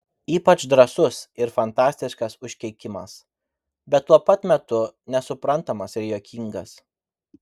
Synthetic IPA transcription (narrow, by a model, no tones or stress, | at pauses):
iːpɐt͡ʃd̪ɾɐsʊsɪɾfɐnt̪ɑːsʲt̪ʲɪʃkɐsʊʃʲkʲɛɪkʲɪmɐ̰s | bʲɛt̪̚tːuɔpɐt̪mʲɛt̪ʊnʲɛsʊpɾɐnˑt̪ɐmɐsɪɾjoːkʲiŋɡɐs